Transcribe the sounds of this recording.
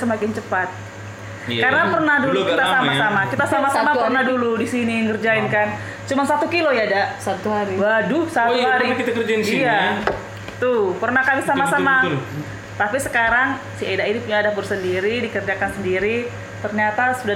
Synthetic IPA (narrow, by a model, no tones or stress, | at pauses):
səmakɪnt͡ʃəpat̪̚ | kaɾənapərnahdulukit̪asamasamakit̪asamasamapərnahduludisiniŋɡərd͡ʒainkan | t͡ʃumansat̪ukilojadasat̪uaɾiwadusat̪uɦaɾikəd͡ʒija | t̪ʊpərnahkamisamasəma | t̪apisəkaɾaŋ | siedainipuɲaːdapərsəndiɾidikərd͡ʒakansəndiɾi | t̪ərɲat̪asuda